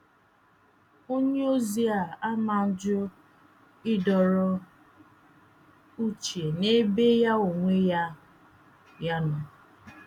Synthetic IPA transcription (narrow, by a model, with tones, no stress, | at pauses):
o˦ɲe˦o˦zi˨˦a˨a˦ma˨n̩˦d͡ʒɔ˦ | ɪ˦dɔ˨ɾɔ˦ | u˦t͡ʃi˨e˨ne˦be˦ja˦o˨ŋʷe˦ja˦ | ja˦nʊ˨